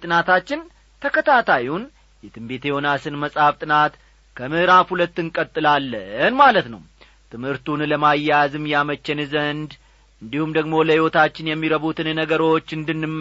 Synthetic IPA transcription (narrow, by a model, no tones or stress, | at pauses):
t̪ʼɨnat̪ʰat͡ʃːɪn | t̪ʰəkʰət̪ʰat̪ʰajun | jɛt̪ʰɨmbe̞t̪ʰe̞ho̞nasɨnməsʼhaft̪ʼɨnat̪ | kʰəmɨʔɾafhulət̪ːɨŋkʼət̪ʼːɨlalːənmalət̪nə̰w | t̪ʰɨmhɨɾt̪ʰunləmajːazɨmːjamət͡ʃːɛnzənd̪ | ʔɨnd̪ihumd̪əɡmo̞ləhiwo̞t̪ʰat͡ʃːɪnjɛmːiɾəβut̪ʰɨnnəɡəɾo̞t͡ʃːɨnd̪ɨnːɨ